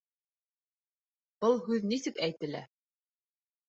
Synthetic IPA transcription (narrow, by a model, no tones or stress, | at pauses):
b̥ɤlˠɦʉðnisɘkæjt̪ɘ̆læ